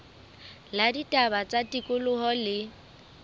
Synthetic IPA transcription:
laditʼabat͡sʼatʼikʼʊlʊhɔlɪ

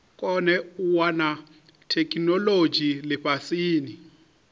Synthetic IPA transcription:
kʼɔnɛuwana | tʰekʼinɔlo̥d͡ʒʱilɛɸʰasiːni

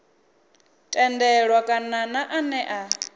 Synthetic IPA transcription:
tʼɛndɛɺwakʼananaʔanɛʔa

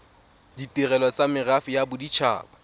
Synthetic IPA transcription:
ditʼɪrɛlɔt͡samɪrafɪjabʊdit͡ʃʰa̰ːba

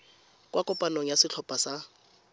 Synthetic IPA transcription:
kʼwʔakʼɔpʼanoŋ̩jasɪt͡ɬʰɔpʼasa

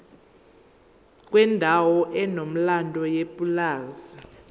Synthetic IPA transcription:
k̬ʼwɛndʱawɔʔɛnom̩landʱɔjepʼulaːza

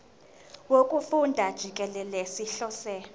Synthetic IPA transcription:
wokʼufundʱad̥ʒ̥ʱik̬ʼɛlɛlɛsiɬɔːsɛ

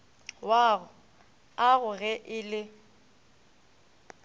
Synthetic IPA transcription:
waɣʊ | aɣʊɣɛʔɪlɪ

